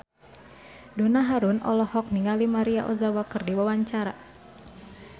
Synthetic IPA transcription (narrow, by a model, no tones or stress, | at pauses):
donaɦaɾunɔ̰lɔhɔk̚niŋalimaɾiaʔɔzawakɨrdiwawaɲt͡ʃaɾa